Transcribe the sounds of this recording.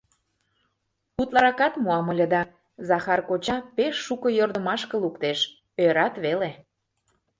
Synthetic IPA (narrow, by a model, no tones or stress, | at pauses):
ut̪lɑɾɑkɑt̪muɑmə̆lʲə̆d̪ɑ | zɑxɑrkot͡ɕɑpeʃːukɤ̆jord̪ə̆mɑʃkə̆lukt̪eʃ | øɾɑt̪βele